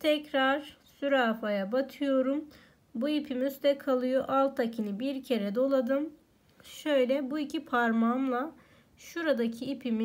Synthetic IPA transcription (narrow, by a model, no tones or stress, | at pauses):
t̪ʰɛcɾaɾ̥syɾaːfajabat̪ʰɯjo̞ɾum | buipʰimyst̪ɛkʰalˠɯjoʔalˠt̪ʰacʰinɯbiɾcʰe̞ɾɛd̪o̞lˠad̪ɯm | ʃø̞jlʲɛbuicʰipʰaɾmamlˠa | ʃuɾad̪acʰiːpʰimi